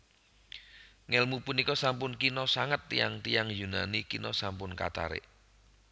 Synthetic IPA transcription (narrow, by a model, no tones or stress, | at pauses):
ŋɛlmupunikɔsampʊnkinɔsaŋət̪ːija̰ŋt̪ijaŋjuna̰nikinɔ̰sampʊnka̰t̪a̰ɾɪ̰ʔ